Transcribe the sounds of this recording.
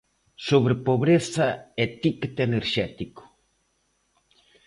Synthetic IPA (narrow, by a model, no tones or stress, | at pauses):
soβɾepoβɾesaet̪ikt̪eneɾʃɛt̪iko̥